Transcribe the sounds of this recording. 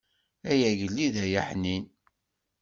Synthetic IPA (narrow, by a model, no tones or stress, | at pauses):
æjæʝəlːiðæjəħnin